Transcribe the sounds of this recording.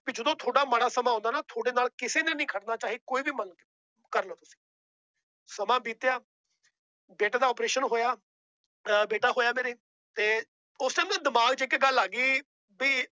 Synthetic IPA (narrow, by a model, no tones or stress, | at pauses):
piːd͡ʒəd̪õːt̪ʰoːɽaːməɽaːsəmãːnd̪aːnaːt̪ʰoːɽeːnaːlkɪseːnẽːnĩːkʰəʈnaːt͡ʃaːɦiːkoːiːbiːmən | kəɾnõːt̪ʊsĩ̥ː | səmãːbiːt̪jaː | beːʈaːd̪aːɔːpɾeːʃənɦoːjaː | beːʈaːɦoːjaːmeːɾeː | t̪eː | ʊseːmd̪ãːd̪ɪmaːɡd͡ʒeːkeɡəlːaːɡiː | biː